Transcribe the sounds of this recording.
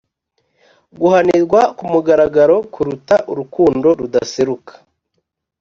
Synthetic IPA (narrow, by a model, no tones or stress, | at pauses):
ɡuhaniɾɡwakumuɡaɾaɡaɾo̞kuɾutaʔuɾukuːndo̞ɾudaseɾukḁ